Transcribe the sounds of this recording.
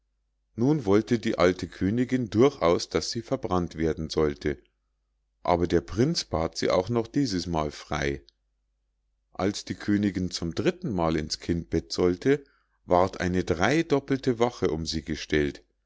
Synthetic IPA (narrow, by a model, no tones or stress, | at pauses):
nuːnvɔltədiːʔaltʰəkʰøːnɪɡɪndʊɐçʔa̰ʊsd̥asz̥iːfɛɐbʁantv̥eːɐdn̩zɔltʰə | ʔa̰ːbɐdeːɐpʁ̥ɪnt͡sb̥aːtz̥ḭːʔa̰ʊxnɔχd̥iːzəsmaːlfʁ̥a̰ɪ | ʔa̰lsd̥iːkʰøːnɪɡɪnt͡sʊmdʁɪtn̩maːlɪnskʰɪnt̚b̥ɛtz̥ɔltʰə | vaɐtʔa̰ɪnədʁaɪdɔpl̩təvaχəʔʊmziːɡəʃtɛlt